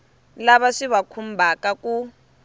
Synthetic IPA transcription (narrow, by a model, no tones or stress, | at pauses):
laβaʂiβakʰumbʱakaku